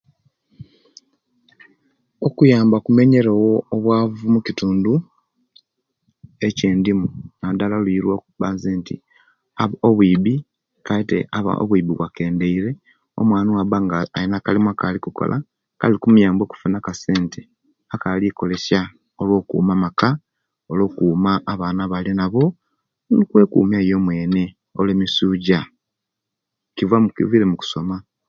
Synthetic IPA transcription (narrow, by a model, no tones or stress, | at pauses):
okujaːmbakume̞ɲe̞ɾowoːβwaːvumucituːndu | e̞ceːndimunadalaluiːɾwoːkuβaːnzeːntḭ | aβoβwiːβi | kaitḛʔaβa̰o̰βwiːβiβwake̞ːnde̞iɾe̞ | o̞̰mwaːniwaβaŋɡaainakalimakalikuko̰lʔa̰ | ka̰likumujaːmbo̞ːku̥funakase̞ːnte | akaliko̞le̞sa | olwo̞ːkṵːmamaka | olo̞ːkuːmaʔːβaːnaβalinaβo̞ | nikwe̞ːkṵːmaijo̞mwe̞ːne̞ | oleːmisuːɟa | kivwamukḭviɾemuku̥so̞ma